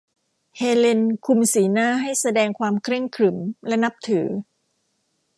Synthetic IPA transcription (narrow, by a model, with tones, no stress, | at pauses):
heː˧le˧nkʰu˧msiː˩˦naː˥˩ɦa˥˩jsa˧dɛː˧ŋkʰwaː˧mkʰɾe˥˩ŋkʰɾɯ˩˦mlɛ˦˥na˦˥p̚t̪ʰɯː˩˦